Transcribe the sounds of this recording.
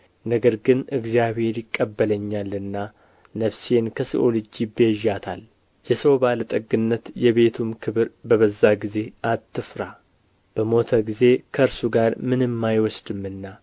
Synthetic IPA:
nəɡəɾɡɨnɨɡzijaβhe̞ɾjɪkʼːəbːələɲːalɨnːa | nəfse̞nkʰəsḭʔolɨd͡ʒibeʒat̪ʰa̰l | jɛsəwbalət̪ʼɨɡɨnːət̪jɛβe̞t̪ʰumkʰɨβɨɾbəβəzːaɡize̞at̪ʰːɨfɾa | b̥əmo̞t̪ʰəɡize̞kʰəɨɾsuɡaɾmɨnɨmːajwɔsd̪ɨmːɨnːa

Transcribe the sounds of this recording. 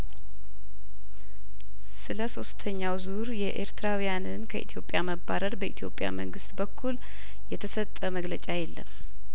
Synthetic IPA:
sɨləso̞st̪ʰəɲːawzuɾjɛʔeɾt̪ɾawijanɨnkʰəʔit̪ʰijo̞pʼːjaməbːaɾəɾbəʔit̪ʰjo̞̰pʼja̰məŋɡɨst̪bəkʰːul | jɛt̪ʰəsət̪ʼːəməɡlət͡ʃʼajɛlːə̰m

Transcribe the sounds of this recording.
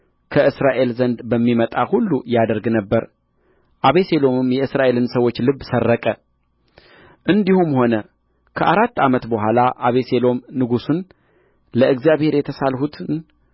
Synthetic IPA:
kʰəʔɨsɾaʔe̞lzənd̪bəmːimət̪ʼahulːujad̪əɾɡnəbːəɾ | ʔaβe̞se̞lo̞mɨmjɛɨsɾaʔe̞lɨnsəwːo̞t͡ʃːlɨβːsərːəkʼə | ʔɨnd̪ihumho̞nə | kʰəʔaɾat̪ːamət̪bəɦʷalaʔaβe̞se̞lo̞mnɨɡusun | ləɨɡzijaβhe̞ɾjɛt̪ʰəsalhut̪ʰn

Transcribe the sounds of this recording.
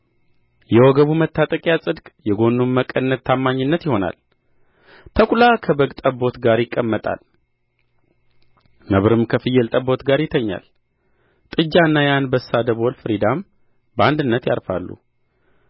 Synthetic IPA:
jɛwɔɡəβumət̪ʰːat̪ʼəkʼjasʼɨd̪kʼjɛɡo̞nːumːəkʼːənːət̪t̪ʰːamːaɲːɪnːət̪jɪho̞na̰l | t̪ʰəkʷʼulakʰəbəɡt̪ʼəbːo̞t̪ɡaɾjɪkʼːəmːət̪ʼa̰l | nəβɾɨmkʰəfɨjːɛlt̪ʼəbo̞t̪ɡaɾjɪt̪ʰəɲːa̰l | t̪ʼɨd͡ʒːanːajanbəsːad̪əβolfɨɾid̪am | bəand̪ɨnːət̪ja̰ɾfa̰lːṵ

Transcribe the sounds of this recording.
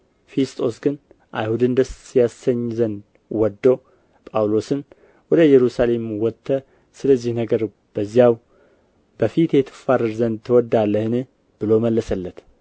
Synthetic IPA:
fest̪ʼo̞sɡɨn | ʔa̰jhud̪ɨnd̪əsjasəɲːzən | wɔd̪ːo | pʼawlo̞sɨn | wɔd̪əjɛɾusale̞mwɔt̪ʰːə | sɨləzːihnəɡəɾ | b̥əzːijaw | bəfit̪jɛt̪ʰɨ̥faɾɨɾzənd̪t̪ʰːɨwɔd̪ːalːəhɨnɨh | b̥ɨloməlːəsəlːət̪

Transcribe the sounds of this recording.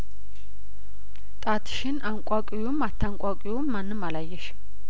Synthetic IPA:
t̪ʼat̪ʰʃɪnaŋkʷʼakʼɪjumat̪ʰːaŋkʼakʼjumːanːɨmalajɛʃ

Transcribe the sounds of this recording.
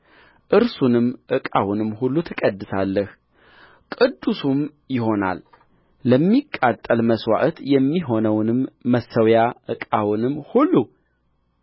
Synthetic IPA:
ʔɨɾsunɨmʔɨkʼa̰wunɨmhulːut̪ʰəkʼəd̪ːɨsalːəh | kʼɨd̪ːusum | jɪho̞na̰lː | əmːikʼːat̪ʼːəlməswa̰ʔt̪jɛmːiɦo̞nəwnɨmːəsəwjaʔɨkʼawnɨmːhulːu

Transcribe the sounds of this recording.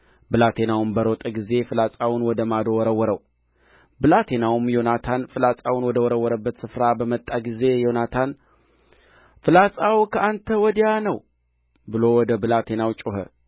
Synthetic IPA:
bɨlat̪ʰe̞nawumbəɾot̪ʼəɡize̞fɨlat͡sʼawʊnwɔd̪əmad̪owɔɾəwːɔɾəw | bɨlat̪ʰe̞nawumjo̞nat̪ʰanfɨlat͡sʼawʊnwɔd̪əwɔɾəwːɔɾəbːət̪sɨfɾabəmət̪ʼːaɡize̞jo̞nat̪ʰan | fɨlasʼawkʰəʔant̪ʰəwɔd̪janəw | bɨlo̞wɔd̪əbɨlat̪ʰe̞nawt͡ʃʼoɦə̰

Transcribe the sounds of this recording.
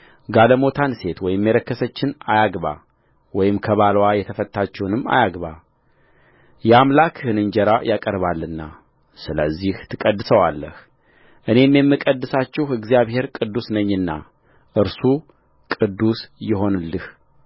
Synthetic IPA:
ɡaləmo̞t̪ʰanse̞t̪wɔjɪmːjɛləkːəsət͡ʃːɪnajaɡba̰ | wɔjɪmkʰəβalwajɛt̪ʰəfət̪ːat͡ʃːɛwnɨmːa̰jaɡβa | jɛamlakʰhɨnɨnd͡ʒɛɾajakʼəɾβalːɨnːa̰ | sɨləzːiht̪ʰɨkʼəd̪ːɨsəwalːə̰h | ʔɨne̞mjɛmːɨkʼəd̪ːɨsat͡ʃːɛhɨɡzijaβhe̞ɾkʼɨd̪ːusnəɲːɨnːa̰ | ʔɨɾsu | kʼɨd̪ːusjɪɦo̞nɨlːɨh

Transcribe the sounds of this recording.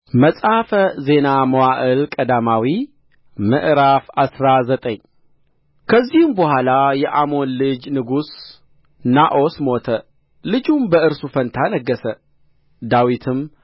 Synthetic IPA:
məsʼafəze̞naməwaʔɨlkʼəd̪amawi | mə̰ʔɾafasɾazət̪ʼəɲ | kʰəzːihɨmbəhʷalajɛʔamo̞nlɨd͡ʒnɨɡus | naʔo̞smo̞t̪ʰə | lɨd͡ʒumbəɨɾsufənt̪ʰanəɡːəsə | d̪awit̪ʰɨm

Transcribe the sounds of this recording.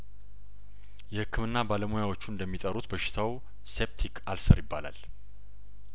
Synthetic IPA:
jɛhɨkʰːɨmɨnːabaləmojawo̞t͡ʃːuɨnd̪əmːit̪ʼəɾut̪bəʃɪ̥t̪ʰaw | se̞p̚t̪ʰikʰalsəɾjɪbːala̰l

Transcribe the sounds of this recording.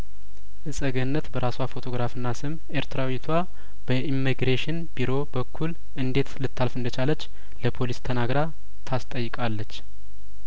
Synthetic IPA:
ʔɨsʼəɡənːət̪bəɾʔaswafo̞t̪ʰo̞ɡɾafɨnːasɨm | eɾt̪ʰɾawit̪ʰwa | b̥əʔimːiɡɾeʃɪnbiɾo̞bəkʰːul | ʔɨnd̪e̞t̪lɨt̪ʰːalfɨnd̪ət͡ʃalət͡ʃː | ləpʰo̞list̪ʰənaɡɾa | t̪ʰast̪ʼəjːɨkʼalːət͡ʃː

